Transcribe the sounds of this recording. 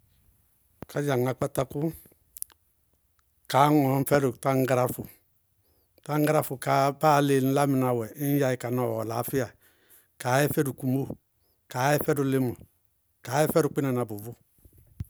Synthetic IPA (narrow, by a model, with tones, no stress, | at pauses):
kʰa˨˦d͡ʒa˨ŋa˨k͡pa˦ta˦ku˦ | ka˨˦ŋɔ˨˦m̩˦fɛ˦ɾu˨ta˦ŋ˦ɡɾa˦fu˨ | ta˦ŋɡa˦ɾa˦fu˨ka˨˦ba˦˨˦le˨n̩˦la˦mi˨na˨wɛ˨i˦n˦ja˨i˨ka˨nɔ˨wɔ˨la˨˦fi˦a˨ | ka˨˦ɛ˦fɛ˦du˨ku˨mo˦ | ka˨˦ɛ˦fɛ˦du˨le˦mu˨ | ka˨˦ɛ˦fɛ˦ɾu˨k͡pi˦na˨n˨a˨bu˨vu˦